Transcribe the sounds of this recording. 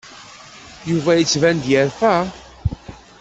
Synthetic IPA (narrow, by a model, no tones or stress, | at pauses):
juvæjət͡sːvænd̪jəɾfæ